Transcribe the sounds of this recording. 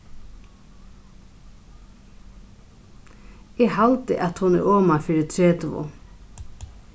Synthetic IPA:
ɛɣhalt̪ɪ̰ʔat̪hʊnɛ̰ɾɔːmafɪːɾɪt̪ʰɾeːt̪vʊ̰

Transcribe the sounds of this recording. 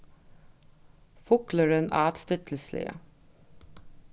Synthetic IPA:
fʊkləɾənæ̰ːt̪st̪œt̪ʰəl̩slɪ̰ə̰

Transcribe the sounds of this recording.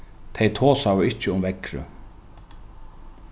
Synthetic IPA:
t̪ʰejt̪ʰoːsavʏɪht͡ɕːɪʊmvɛkɾʏ̰

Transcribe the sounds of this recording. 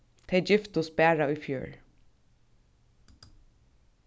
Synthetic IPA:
t̪ʰɛjd͡ʒɪft̪ʊs̚bæːɹaʊjfjṵːɹ

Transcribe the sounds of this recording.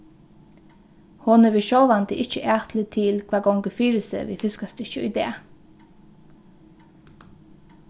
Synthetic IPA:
hɔnəʋɪʃɔʋɑnt̪ɪʔɪçəʔæːʁt̪ʰlət̪ʰɪlkʰʋɑːɡɔŋɡəfiːɾəsə̰ʋḭːfɪskɑst̪ɪçʊḭd̪ḛː

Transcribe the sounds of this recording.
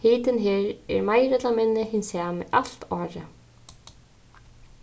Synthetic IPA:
hiːt̪ɪnɦeːɾɛ̰ɾmajɾɛt̪lamɪnːɪhɪnsɛːmɪ̰ʔal̥t̪ɔːɾə

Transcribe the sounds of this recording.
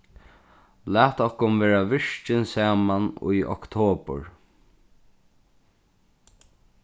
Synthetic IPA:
læːt̪ɔhkʊnveːɾaʋɪʂt͡ʃɪnsæːmanṵjʔɔ̰kt̪ʰoːpə̰ɹ

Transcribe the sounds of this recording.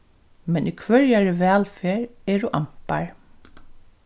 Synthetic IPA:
mɛnʔikʰʋœɹjaɹɪʋɛːlfeːɹɛɹuʔam̥paɹ

